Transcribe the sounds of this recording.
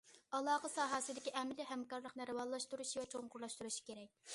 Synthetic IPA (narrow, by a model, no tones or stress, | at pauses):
ɑlˠɑːqəsɑːɦɑsɨd̪ɪkʲiʔɛmɪlɪɦɛmkɑɾlˠəqnɨɾɨwɑlˠɑʃt̪uɾuʃivɛt͡ʃʰoŋqʰʊɾlˠɑʃt̪uɾuʃi̥kʲeɾɛk̚ʲ